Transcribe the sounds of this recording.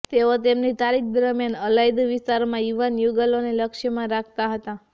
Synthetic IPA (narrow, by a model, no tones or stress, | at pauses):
t̪eot̪emnit̪aɾik̚d̪ɾəmjənəlajd̪ʋɪst̪aɾmãjuʋanjuɡəloneləkʃəmãɾakʰt̪aɦət̪a